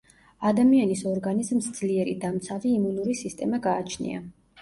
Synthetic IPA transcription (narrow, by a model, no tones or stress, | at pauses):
ad̪amianisɔɾɡanizmsd̪z̥liɛɾid̪amt̪sʰaviːmunuɾisist̪ʼɛmaɡaːt͡ʃʰnḭa̰